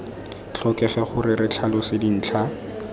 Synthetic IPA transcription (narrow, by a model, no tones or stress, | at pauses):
t͡ɬʰɔkɛχɛχʊrɪrɪt͡ɬʰalɔsɪdin̩ːt͡ɬʰa